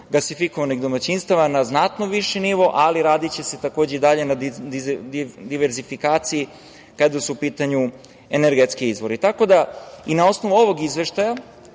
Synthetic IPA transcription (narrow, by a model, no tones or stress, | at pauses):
ɡlasifiko̞ʋaniɣd̪o̞mat͡ɕinst̪aʋanaznat̪noʋiʃeniʋo̞ʔaliɾaːd̪it͡ɕe̞set̪ako̞ːd͡ʑeid̪aʎe̞na | d̪iʋe̞ɾzifikaːt̪sii | kad̪asuupiːt̪aɲu | e̞neɾɡet̪skiizʋo̞ɾit̪ako̞d̪ainao̞sno̞ʋuo̞ʋo̞ɡizʋe̞ʃt̪aja